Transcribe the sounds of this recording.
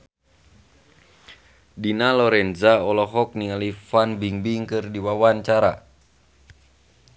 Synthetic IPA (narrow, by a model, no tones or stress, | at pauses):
dinalɔɾɛnzaɔlɔɦɔk̚niŋalifanbiŋbiŋkɨrdiwawaɲt͡ʃaɾa̰